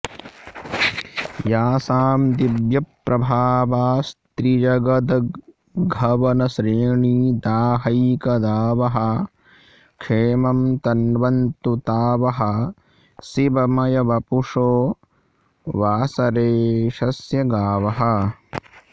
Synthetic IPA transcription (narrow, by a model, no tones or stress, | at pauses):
jaːsaːmd̪ibjɐpɾɐbʱaːʋaːst̪ɾid͡ʒɐɡɐd̪ɐ | ɡʱɐʋɐnɐʃɾiːɳiːd̪aːɦɐjkɐd̪aːʋɐɦɐ | kʂeːmɐmt̪ɐnʋɐnt̪ut̪aːʋɐɦɐ̆ | sibɐmɐjɐʋɐpuʂoː | ʋaːsɐɾeːʃɐsjɐɡaːʋɐɦɐ̆